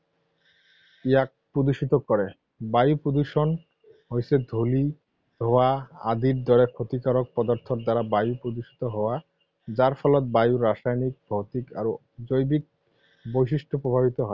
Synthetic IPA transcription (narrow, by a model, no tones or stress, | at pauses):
iak̚pɾod̪uʃit̪okɔɾe | bajupɾod̪uʃon | ɦojsʰed̪ʱoli | ɦɔwaa̰d̪iɾd̪ɔɾekʰot̪ikaɾok̚pɔd̪oɾt̪ʰoɾd̪aɾabajupɾod̪uʃi̥t̪oɦɔoa | d͡ʑaɾfɔlot̪̚bajuɾaʃajnik̚bʱot̪ika̰ɾ | d͡ʑojbik̚ | bojʃ̬iʃʈʰopɾobʱabit̪oɦɔe